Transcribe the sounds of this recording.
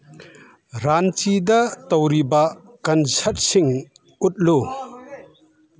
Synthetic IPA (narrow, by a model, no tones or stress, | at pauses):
ɾant͡ʃid̪ɐt̪ɔwɾiba | kɐnsɐt̚siŋ | ut̪̚lu